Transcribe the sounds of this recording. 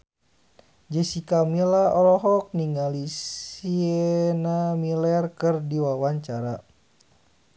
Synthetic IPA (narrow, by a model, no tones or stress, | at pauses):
d͡ʒəsikamilaɔlɔɦɔk̚niŋalisiɛnamilɛrkɨrdiwawaɲt͡ʃaɾa